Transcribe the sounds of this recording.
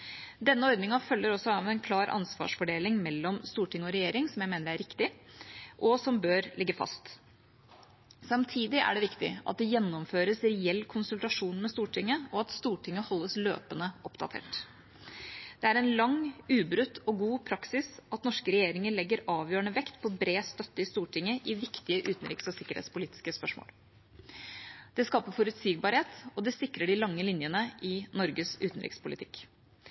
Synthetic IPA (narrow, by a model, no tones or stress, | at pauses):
d̪ɛnːəɔɾd̪nɪŋɑfœlːəɾɔsɔɑʋɛnkʰlɑːɾʔɑ̰nsʋɑ̰ːʂfɔɖeːlɪŋmɛlːɔmst̪uːʈʰɪŋːəɔɾɛjeːɾɪŋsɔmjæɪmeːnəɾæɾɪkt̪ɪʔɔsɔmbøːɾlʔɪɡːəfɑ̰st̪ | sɑmt̪ʰiːd̪ɪʔæ̰ɖɛʋɪkt̪ɪ̰ʔɑ̰t̪̚d̪ɛjɛnːɔmføːɾəsɾɛɛlːkʰʊnsʉlt̪ɑʂuːnmɛst̪uːʈʰɪŋːəɔɑt̪st̪uːʈʰɪŋːəhɔlːəslø̰ːpənəʔɔpd̪ɑ̰t̪ʰḛːʈ | d̪̥ɛæɾɛnlɑŋʉːbɾʉt̪ːɔɡuːpʰɾɑksɪsɑt̪nɔʂkəɾɛjeːɾɪŋəɭɛɡːəɾɑːʋjøːəɳəʋɛkt̪pʰɔbɾeːst̪œt̪ːəɪst̪uːʈʰɪŋːəʔɪʋɪkt̪ɪəʔʉːt̪n̩ɾɪ̰ksɔsɪkəɾhḛt̪spʊliːt̪ɪskəspœʂmo̰ːl | d̪̥ɛskɑːpəfɔɾʉt̪siːɡ̚bɑɾheːt̪ɔd̪ɛsɪkɾəɖɪlɑŋːəlɪnjənəʔɪnɔɾɡəsʉːt̪n̩ɾɪ̰kspʰʊlɪt̪ʰɪk